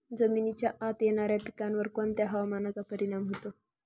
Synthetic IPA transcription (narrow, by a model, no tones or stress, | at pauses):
d͡zəminit͡ɕjaʔat̪jenaɾjapikanʋəɾkont̪jaɦaʋmanat͡sapəɾiɽ̃amɦot̪o